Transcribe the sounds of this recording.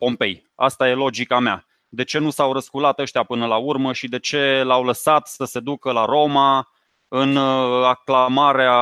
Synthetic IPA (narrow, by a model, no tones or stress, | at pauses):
po̞mpe̞̰j | a̰st̪aje̞lo̞d͡ʒikamea̰ | d̪e̞t͡ʃe̞nusawɾəskulat̪əʃt̪ijapɨnəlaurməʃid̪e̞t͡ʃe̞lawləsat̪səse̞d̪ukəlaɾo̞ma | ɨnaklamaɾea